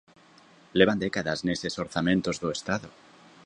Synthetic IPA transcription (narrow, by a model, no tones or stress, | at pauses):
leβand̪ekaðazneseso̞ɾθamẽnt̪o̞zðoest̪aðo